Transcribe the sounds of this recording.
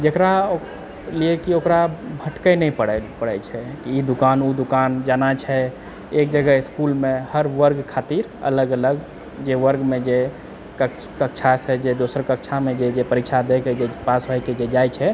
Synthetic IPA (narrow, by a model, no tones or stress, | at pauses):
d͡ʒekɾao | liekiokɾabʱəʈkəjnɛipəɽpəɽɛt͡ʃʰɛkiid̪ukanud̪ukand͡ʒanat͡ʃʰɛ | ek̚d͡ʒəɡəiskulmẽhəɾʋəɾɡkʰat̪iɾə̰ləɡələɡ | d͡ʒeʋəɾɡmẽd͡ʒe | kə | kək̚t͡ʃʰased͡ʒed̪osəɾkəkt͡ʃʰamed͡ʒed͡ʒepəɾikt͡ʃʰad̪eked͡ʒepasɦojked͡ʒed͡ʒajt͡ʃʰɛ